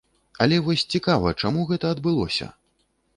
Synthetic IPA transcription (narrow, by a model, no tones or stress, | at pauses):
ɐlʲɛvɔsʲt͡sʲikavɐt͡ʂamuɣɛt̪ɐɐd̪bɨlˠɔ̰sʲɐ̰